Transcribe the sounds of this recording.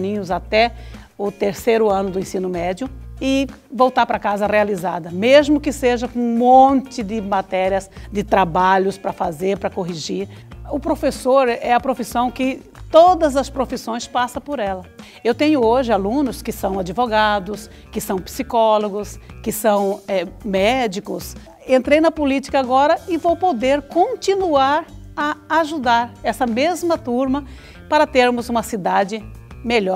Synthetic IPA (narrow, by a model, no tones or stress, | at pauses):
nĩɲʊzat̪ɛʊt̪eɾsejɾʊɐ̃nʊd̪ʊẽsĩnʊmɛd͡ʒjʊɪ | vowt̪aɾpɾɐkazɐhealizad̪ɐmezmʊkɪseʒɐkõũmõnt͡ʃɪd̪ɪmat̪ɛɾiɐsd̪ɪt̪ɾabaʎʊspɾɐfazeɾpɾɐkoɦiʒiɾʊpɾofesoɾɛɐpɾofisɐ̃w̃kɪ | t̪od̪ɐzɐspɾofisõj̃spasɐ̃poɾɛlɐ | ewt̪ẽɲʊoʒɪalũnʊskɪsɐ̃w̃ad͡ʒivoɡad̪ʊs | kɪsɐ̃w̃pi̥sikɔloɡʊskɪsɐ̃w̃ɛmɛd͡ʒikʊs | ẽnt̪ɾejnɐpolit͡ʃi̥kɐaɡɔɾɐɪvowpod̪eɾkõt͡ʃinuaɾ | ɐaʒud̪aɾɛsɐmezmɐt̪uɾmɐ | paɾɐt̪eɾmʊzũmɐsid̪ad͡ʒɪ | meʎɔɾ